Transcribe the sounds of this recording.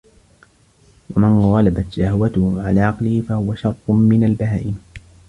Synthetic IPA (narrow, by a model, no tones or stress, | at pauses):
wamɪnɣˤɑlabat̪ʃahwat̪ʊhʊʕalaːʕɑqlɪhɪfahʊwaʃɑɾˤt̪ˤʊmɪnalbaɦaːʔɪm